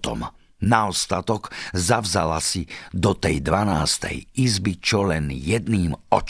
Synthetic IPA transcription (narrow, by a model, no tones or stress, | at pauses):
t̪ɔ̰m | naɔst̪at̪ɔkzavza̰lasid̪ɔt̪ɛjd̪ʋana̰ːst̪ɛ̰jizbit͡ʃɔlɛnjɛd̪niːmɔ̰t͡ʃ